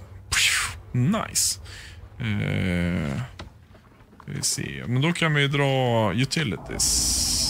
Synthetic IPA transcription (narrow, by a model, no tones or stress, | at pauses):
na̰ɪs | ɛ | vɪ̰sḛːmɛnd̪ɔkʰanvɪd̪ɾɑːjʉt̪ʰɪlɪt̪ʰɪ̰s